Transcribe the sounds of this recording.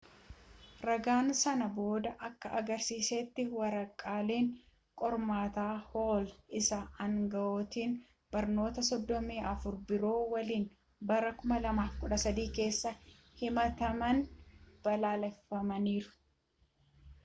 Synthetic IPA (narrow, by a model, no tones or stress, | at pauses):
ɾɐɡaːnsɐnɐbo̞ːd̪ɐʔɐkːɐʔɐɡɐɾsiːseːt̪ːɪwɐɾɐkʼːaːleːŋ | kʼɔɾmaːt̪aːhoːlʔɪsɐɐŋɡɐʔoːt̪iːn | b̥ɐɾno̞ːt̪ɐsɔd̪ːɔmeːʔɐfʊɾbɪɾo̞ːwɐliːn | bɐɾɐkʊmɐlɐmaːfkʊᶑɐsɐd̪iːke̞ːsːɐ | hɪmɐt̪ɐmɐnb̥ɐlaːlɛfːɐmɐniːɾʊ̥